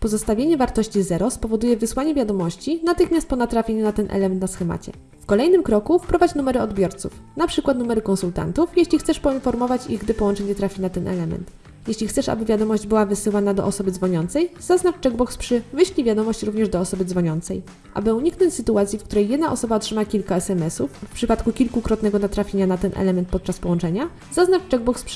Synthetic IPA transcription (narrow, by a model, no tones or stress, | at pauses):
pɔzɔst̪avʲeɲɛvaɾt̪ɔɕt͡ɕizɛɾɔspɔvɔd̪ujɛvɘswaɲɛvʲjad̪ɔmɔɕt͡ɕinat̪ɘxmʲjast̪̚pɔnat̪ɾafʲjeɲunat̪ɛnʔɛ̰lɛmɛnt̪nasxɛma̰t͡ɕɛ̰ | fkɔlɛjnɘmkɾɔkufpɾɔvat͡ɕnumɛɾɘɔd̪bʲjɔɾt̪sṵf | napʂɘkwat̪numɛɾɘkɔnsult̪a̰nt̪ufjeɕlʲixt̪sɛʂpɔinfɔɾmɔvat͡ɕiɣɡd̪ɘpɔwɔnt͡ʂɛɲɛt̪ɾafʲinat̪ɛnʔɛ̰lɛmɛ̰nt̪ | jeɕlʲixt̪sɛʂa̰bɘvʲjad̪ɔmɔʑd͡ʑbɘwavɘsɘwanad̪ɔ̰ʔɔsɔbɘd̪zvɔɲɔnt̪sɛjz̥aznaft͡ʂɛɡbɔkspʂɘvɘɕlʲivʲjad̪ɔmɔɕt͡ɕɾuvɲɛʐd̪ɔːsɔbɘd̪zvɔɲɔnt̪sɛ̰j | ʔa̰bɘuɲiknɔɲt͡ɕsɘt̪uat̪sʲjifkt̪uɾɛjːɛd̪naʔɔsɔbaɔtʂɘmakʲilkaɛsɛmɛsufːpʂɘpat̪kukʲilkukɾɔt̪nɛɡɔnat̪ɾafʲjeɲanat̪ɛnʔɛ̰lɛmɛnt̪̚pɔt̪̚t͡ʂaspɔwɔnt͡ʂɛɲa | zaznaft͡ʂɛɡ̚bɔkspʂɘ